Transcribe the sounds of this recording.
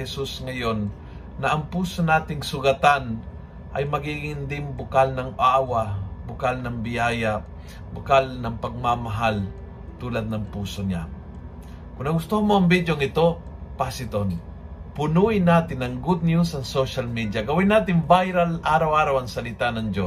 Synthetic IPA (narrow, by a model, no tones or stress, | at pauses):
hɛsusŋɐjo̞nː | ɐʔɐŋpuːsonaːt̪ɪŋsʊɡɐt̪an | ʔɐ̰jmɐɡiːɡɪnd̪ɪŋbʊkalnɐŋʔaːwabʊkalnɐŋbɪjaːja | bʊkalnɐŋpɐɡ̚mamɐɦal | t̪uːlɐd̪̚nɐŋpuːso̞ɲa̰ | kʊnnɐɡʊst̪ohɐmoʔɐŋbid̪joŋɪt̪o̞pasɪt̪on | pʊnuːʔɪnːaːt̪ɪnːɐŋɡʊd̪̚njusɐŋsoʃalmid̪jaɡɐwɪnːaːt̪ɪŋbajɾalʔaːɾɐwaːɾawɐŋsɐlɪt̪anɐŋd͡ʒo